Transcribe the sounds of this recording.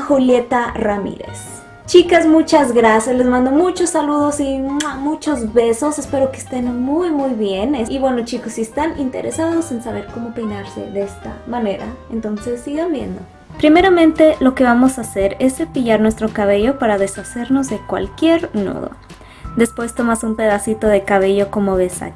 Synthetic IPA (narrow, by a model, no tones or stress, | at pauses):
xulje̞t̪aramḭɾe̞̰s | t͡ʃikazmut͡ʃazɣɾasjaslezmãnd̪omut͡ʃosːaluðosiamut͡ʃo̞zβe̞so̞sespe̞ɾo̞kest̪e̞nmujmujβje̞neiβwe̞not͡ʃikosiest̪anint̪eɾesaðo̞sensaβe̞ɾko̞mopejnaɾse̞̰ðeest̪a̰mane̞ɾa̰ent̪o̞nsesːiɣabje̞̰nd̪o | pɾime̞ɾamẽ̞nt̪e̞lo̞ke̞βamosase̞ɾe̞sepiʝaɾnwest̪ɾo̞kaβe̞ʝo̞paɾaðe̞sase̞ɾno̞zðe̞kwa̰lkje̞ɾno̰ðo̰ | d̪espwe̞st̪o̞masumpe̞ðasit̪o̞ðekaβ̞e̞ʝo̞ko̞moβesa̰